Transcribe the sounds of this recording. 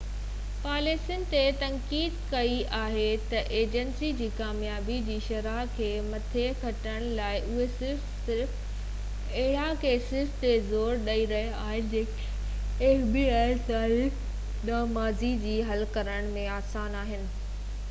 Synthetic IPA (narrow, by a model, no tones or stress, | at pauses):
paːleːsɪnɪ̆t̪et̪ɐ̃ŋkiːd̪kɐiaːɦet̪ɐʔeːd͡ʑənsid͡ʑiːkaːmjaːbid͡ʑiːʃɐɾaːkʰeːmɐt̪ʰekʰɐʈəɽ̃laːɪʔʊɦesɪɾfsɪɾf | ɐɦɪɽakeːsɪst̪ezoːɾɗɐiɾɐɦeaːɦɪnɪ̆d͡ʑeːk | eːfbiːaːɪsaːi | ɗ̪aːmaːzid͡ʑiːɦɐlkɐɾəɽ̃mẽaːsaːnaːɦɪnɪ̆